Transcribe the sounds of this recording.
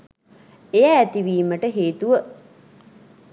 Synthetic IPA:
ejæːt̪iʋiːməʈəɦeːt̪uʋə

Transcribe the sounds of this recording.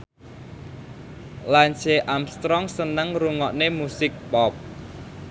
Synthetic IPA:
lanseʔamst̪ɾɔŋsənəŋruŋɔʔnemusɪk̚pɔp̚

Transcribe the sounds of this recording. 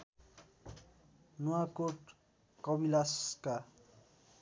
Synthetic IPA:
nuwakoʈ | kʌbilaska

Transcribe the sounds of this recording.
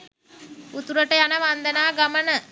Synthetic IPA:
ut̪uɾəʈəjanəʋand̪ənaːɡamənə

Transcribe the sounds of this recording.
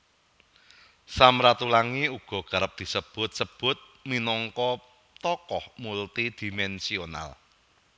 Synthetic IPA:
samɾat̪ulaŋiuɡ̥ɔ̤ɡ̥a̤ɾəp̚d̪̥i̤səb̥ʊ̤t̪̚səb̥ʊ̤t̪̚minɔŋkɔ | t̪ɔkɔhmult̪id̪̥i̤mɛnsiona̰l

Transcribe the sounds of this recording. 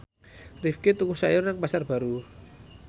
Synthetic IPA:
rifket̪ukusajɔraŋpasarb̥a̤ɾu

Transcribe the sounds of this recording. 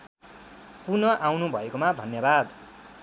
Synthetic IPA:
punʌʔawnubʱʌekomad̪ʱʌnjʌbad̪

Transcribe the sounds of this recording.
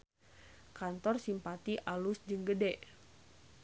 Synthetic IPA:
kant̪ɔrsimpat̪iʔalusd͡ʒɨŋɡədɛʔ

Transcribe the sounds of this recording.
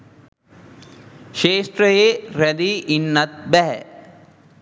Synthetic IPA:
ʃeːʃʈɾəjeɾɛd̪iinːɐt̪̚bɛɦɛ̰

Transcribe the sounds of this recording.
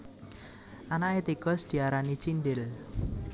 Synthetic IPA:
ʔanaet̪iɡ̥ɔ̤sd̪̥i̤aɾanit͡ʃinɖɪl

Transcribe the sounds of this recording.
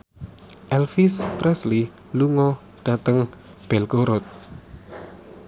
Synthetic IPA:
ʔɛlfispɾɛsli | luŋɔ | ɖ̪̥a̤t̪əŋ | b̥ɛlkoɾɔt̪̚

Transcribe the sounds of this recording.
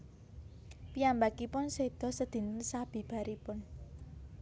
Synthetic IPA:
piambakipʊnsed̪̥ɔ̤səd̪̥i̤nsab̥i̤b̥a̤ɾipʊn

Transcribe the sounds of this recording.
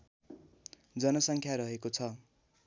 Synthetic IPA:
d͡zʌnʌsʌŋkʰjaɾʌɦekot͡sʰʌ

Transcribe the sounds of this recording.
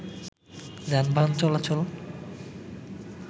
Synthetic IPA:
d͡ʑanbʱant͡ɕɔlat͡ɕol

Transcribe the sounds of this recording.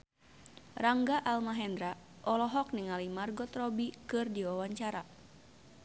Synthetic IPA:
raŋɡaʔalmaɦɛnd̪ɾa | ʔɔlɔɦɔkniŋalimarɡɔt̪rɔbikɨrdiwawaɲt͡ʃaɾa

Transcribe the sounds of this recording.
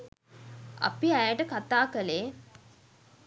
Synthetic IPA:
a̰piæjəʈəkat̪aːkəleː

